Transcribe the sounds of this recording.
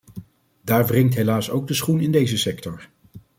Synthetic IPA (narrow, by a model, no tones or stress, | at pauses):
daːɹvrɪŋtɦejlaːsowɡ̚dəsχunɪndejzəsɛktɔɹ